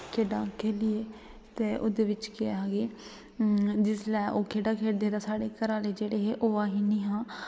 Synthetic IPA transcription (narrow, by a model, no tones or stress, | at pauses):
kʰeːɖãːkʰeːlɪeː | t̪eːʔoːd̪eːʋɪt͡ʃkɪaːɦaːɡeː | d͡ʒɪslɛːʔoːkʰeːɖaːkʰeːʈd̪eːd̪aːsaːɽeːkəɾaːleːd͡ʒeːɽeːɦeːʔoːaːɦiːnĩːɦãː